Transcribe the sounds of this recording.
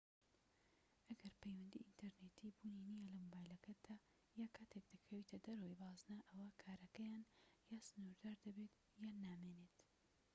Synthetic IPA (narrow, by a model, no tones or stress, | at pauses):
ʔɐɡɐɾpʰejwɐnd̪ḭʔint̪ʰɐɾnet̪ʰibuːninijɐlɐmobaːjlɐkʰɐd̪̥a | jaːkʰaːt̪ʰek̚d̪̥ɐkʰɐwit̪ʰɐd̪ɐɾɐwibɑːznaʔɐwɐkʰaːɾɐkɐjaːnjaːsɨnuɾd̪aːɾd̪ɐbet̪ | jaːnːaːmeːnet̪